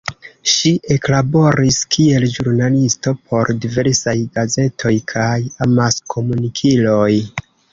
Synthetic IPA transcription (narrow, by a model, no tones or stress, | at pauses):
ʃiʔe̞klabo̞ɾiskʰie̞lʒuɾnalisto̞pʰo̞ɾdive̞ɾsajɡaze̞tʰo̞jkʰajamaskʰo̞munikʰilo̞j